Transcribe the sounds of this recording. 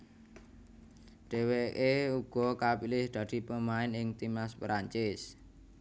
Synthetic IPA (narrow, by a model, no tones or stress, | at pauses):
ɖ̪̥e̤wekeuɡ̥ɔ̤kapilɪhd̪̥ä̤d̪̥i̤pəmaɪnɪŋt̪imaspɾaɲt͡ʃɪs